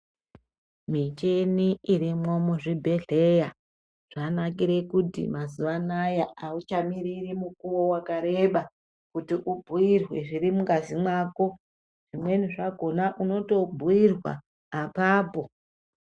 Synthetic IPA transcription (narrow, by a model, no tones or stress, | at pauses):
mit͡ʃe̞niʔirimwo̞muʐibʱe̞ɮe̞ja | ʐ̥anak̬iɾe̞kutḭmazuʋanajaaut͡ʃamiɾirimukuwowakaɾe̞ɓa | kutiʔubʱuirwe̞ʐirimuɡazimwaːko̞ | ʐ̥imwe̞niʐaɡʱo̞naʔuno̞to̞bʱuirwa̰ː | paːpo̞